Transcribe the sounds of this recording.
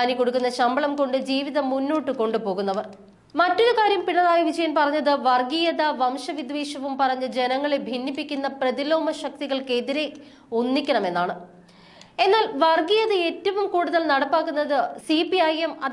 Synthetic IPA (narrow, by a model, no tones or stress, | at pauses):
aːnikːo̞ɽukːunːɐɕɐmbɐɭɐmko̞ɳɖɨd͡ʑiːʋiðɐmunːoːʈːɨko̞ɳɖɨpo̞ːɣunːɐʋɐr | mɐtːoɾukaːɾjɐmpiɳɐðaːjɐʋid͡ʑɐjɐnpɐrɐɲːɐðɨʋɐrɡijɐðɐʋɐmʂɐʋid̪ʋeːɕɐʋumpɐrɐɲːɐd͡ʑe̞nɐŋːɐɭebʱinːipːikʲːunːɐprɐðilo̞ːmɐɕɐk̚t̪iɣɐɭke̞ðiɾe̞ | unːikʲːɐɳɐme̞nːaːɳɨ | e̞nːaːlʋɐrɡijɐðɐeːtːɐʋumkuːɽuðɐlnɐɽɐpːaːkːunːɐðɨsipiɐjemɐ